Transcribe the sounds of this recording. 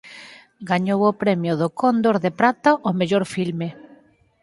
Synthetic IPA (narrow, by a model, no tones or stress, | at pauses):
ɡaɲowʊpɾɛmjʊðʊkʰond̪oɾðepɾat̪aʔʊmeʎoɾfilme